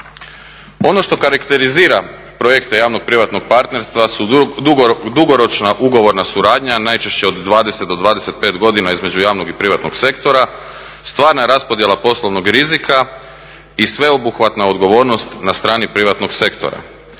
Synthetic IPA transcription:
o̞no̞ʃt̪o̞kaɾakt̪e̞ɾiziːɾa | pɾo̞je̞kt̪e̞jaːʋnoɡ̚pɾiʋat̪no̞ɡ̚paɾt̪ne̞ɾst̪ʋasud̪uɡd̪uɡo̞ɾo̞t͡ʃnaʔuɡo̞ʋo̞ɾnasuɾaːd̪ɲanajt͡ʃe̞ʃt͡ɕe̞od̪ːʋaːd̪e̞set̪d̪od̪ʋaːd̪ese̞t̪̚pe̞ːt̪ɡo̞d̪inaizme̞d͡ʑujaːʋnoɡipɾiʋat̪no̞̰ɡse̞kt̪o̞ɾa | st̪ʋaːɾnaɾaspo̞d̪jelapo̞slˠoʋno̞ɡɾizika | isʋe̞obuxʋat̪nao̞d̪ɡo̞ʋo̞ːɾno̞st̪nast̪ɾaːnipɾiʋat̪no̞ɡse̞kt̪o̰ɾa̰

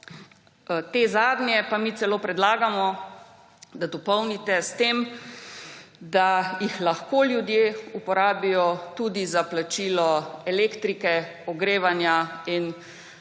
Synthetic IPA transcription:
t̪eːzaːd̪njɛpamiːt̪sɛloːpɾɛd̪laːɡamɔ | d̪ad̪ɔpɔwnit̪ɛst̪em | d̪ajixlaxkoljud̪jeupɔɾaːbijɔt̪uːd̪izaplat͡ʃiːlɔɛleːkt̪ɾikɛɔɡɾeːʋanjain

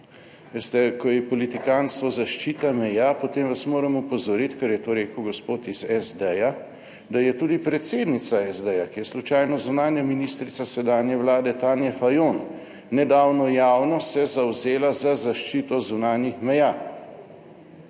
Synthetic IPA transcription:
ʋest̪ɛkɔjɛpɔlit̪ikanst̪ʋɔzaʃt͡ʃiːt̪amɛjaːpot̪eːmʋasmoːɾəmupɔzɔɾit̪kɐɾjɛt̪oːɾeːkəwɡɔspoːt̪izɛzd̪ɛja | d̪ajɛt̪uːd̪ipɾɛt̪seːd̪nit̪saɛzd̪ɛjakijɛslut͡ʃaːjnɔzunaːnjaminist̪ɾit̪sasɛd̪aːnjɛwlaːd̪ɛt̪aːnjɛfajonː | ɛd̪aːwnɔjaːwnɔsɛzawzeːlazazaʃt͡ʃit̪ɔzunaːnjixmɛjaː

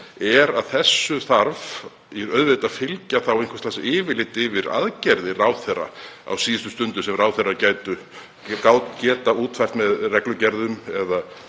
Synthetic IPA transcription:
ɛɾaðθɛsːʏθaɾv | ɛɾœðvɪt̪afɪlcaθawenŋkvḁstlasɪːvɪlɪt̪ɪvɪɾa̰ðcɛɾðɪraːwθɛrːa̰a̰wsiːɪst̪ʏ̥st̪ʏnt̪ʏsɛmraːwθɛrːacaːjt̪ʏ | kaːwt̪ncɛːt̪auːt̪fajft̪mɛðrɛklʏcɛɾðʏmɛða

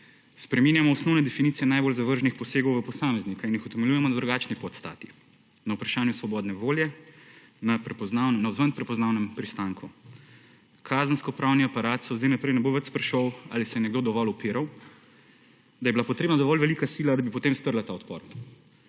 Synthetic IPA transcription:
spɾɛmiːnjamɔɔsnɔwnɛd̪ɛfinit̪sijɛnajbolzaʋəɾʒnixpɔseːɡɔwʋəpɔsaːmɛznikainjixɔt̪ɛmɛljujɛmɔnad̪ɾuɡaːt͡ʃnipɔt̪st̪a̰ːt̪i̥ | nɐupɾaʃaːnjusʋɔbɔːd̪nɛʋoːljɛ | napɛpɔznawnnauzʋənpɾɛpɔznaːwnɛmpɾist̪aŋkʰu | kʰaːzənskɔpɾawniapaɾaːt̪sɔzd̪ajnapɾɛjnɛboʋɛt͡ʃspɾɛʃowa̰ːlisɛjɛnɛɡd̪oːd̪ɔʋɔlɔpiːɾaw | d̪ajɛbilapɔt̪ɾeːbnad̪ɔʋɔlʋɛlikasiːlad̪abipɔt̪emst̪əɾlat̪aɔt̪pɔ̰ːɾ

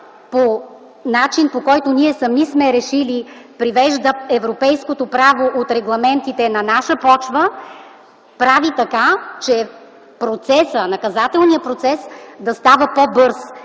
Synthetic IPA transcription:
po | nat͡ʃinpokɔjt̪oniɛsɐmnismɛɾɛʃilipɾivɛʒd̪əɛvɾopɛjskot̪opɾavoʔot̪ɾɛɡlˠɐmɛnt̪it̪ɛnɐnaʃəpɔt͡ʃbə | pɾavit̪ɐkat͡ʃɛ | pɾot̪sɛsənɐkɐzat̪ɛlˠniəpɾot̪sɛsd̪ɐst̪avəpobɤɾs

